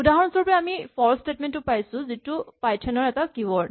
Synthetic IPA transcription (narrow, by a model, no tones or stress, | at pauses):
udaɦɔɹɔnusɔɹɔpɔɹaamipʰɔɹsstetmɛntːʊpajsʊ̃zitʊpajtʰɛnɔɹɛtakiwɔɹ